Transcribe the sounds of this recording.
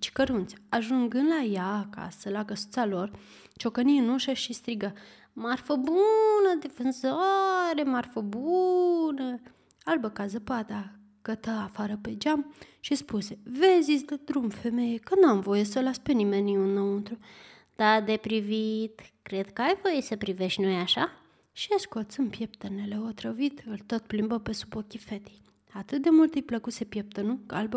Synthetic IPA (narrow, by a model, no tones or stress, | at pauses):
t͡ʃi̥kəɾunt̪sʲaʒuŋɡɨnd̪lajaːka̰səlakəsu̥t̪salo̞r | t͡ʃo̞kəniɨnuʃəʃist̪ɾiɡə | marfəbunəd̪efɨnzaɾemarfəbunə | albəkazəpat̪a | kət̪əafaɾəpe̞d͡ʒam | ʃispusevezisʲd̪ed̪ɾumfe̞me̞jekənuamvo̞jesəlaspe̞nimenːiunːount̪ɾu | d̪̥ad̪e̞pɾivit̪kɾe̞d̪kəajvo̞jesəpɾive̞ʃt̪nojaʃa | ʃieskot̪sɨmpjep̚t̪əneleot̪ɾəvit̪ɨlt̪ot̪̚plimbəpe̞su̥bokʲife̞t̪e̥j | at̪ɨt̪̚d̪e̞mult̪ɨjpləkusepjep̚t̪ənukəalbə